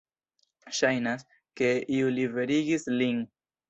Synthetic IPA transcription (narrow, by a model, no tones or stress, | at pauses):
ʃajnas | ke̞iulive̞ɾiɡislin